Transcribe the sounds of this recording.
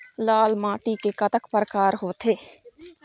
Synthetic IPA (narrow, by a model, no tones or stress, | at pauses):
laːlmãːʈikekət̪əkpɾəkaːɾɦoːt̪ʰeː